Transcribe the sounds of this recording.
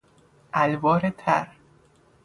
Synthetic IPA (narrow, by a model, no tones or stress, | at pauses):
ʔælbɒːɾet̪ʰæ̰ɾ